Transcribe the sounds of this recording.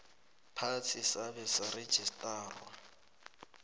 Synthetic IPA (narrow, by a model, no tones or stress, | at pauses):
pʰat͡sʰisabɛsare̥ʒ̥ʱistʼaːrɔ